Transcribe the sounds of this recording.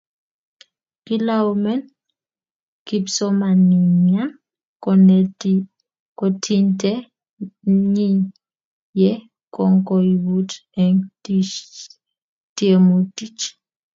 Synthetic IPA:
kilaumɛn | kibsɔmaniɲan | kɔnɛ | kɔtʰintʼɛ | ɲi | jɛ | kɔŋkɔiβutɛŋi | tiemutit͡ʃ

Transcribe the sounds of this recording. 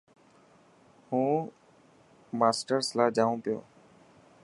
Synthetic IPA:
hũː | maːsʈəɾslaːd͡ʒaːũːpɪjo̰ː

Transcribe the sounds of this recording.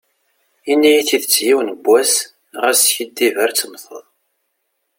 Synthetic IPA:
inːæjiθiðət͡sːjiwnəbʷːæs | ʁæsçəd̪ːivəɾt͡sːəmθə̰ðˤ

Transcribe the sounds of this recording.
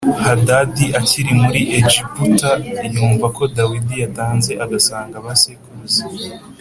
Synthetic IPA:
hadadiʔaciɾimuɾiʔed͡ʒiputajuːɱvako̞dawidijataːnze̞ʔaɡasaːŋɡaβasekuze

